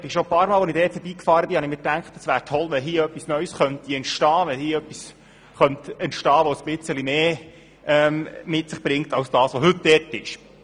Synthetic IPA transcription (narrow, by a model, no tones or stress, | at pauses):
bɪʃopɑːɾmɑːlʋonɪdɛːttɛb̥iːkfɑːɾəbɪhɑnɪmɪːtæŋktəsʋæːɾtʰɔlʋɛlɦiːəœpːisnœʏsχœnt̪iɛntʃtɑːʋɛhiːəœpːis | χœnt̪ɛntʃtɑːʋosb̥ɪt͡səlimeː | ɛmmɪtsɪχb̥ɾɪŋtɑwsd̥ɑːsʋoɦɵtdɛɾtɪʃ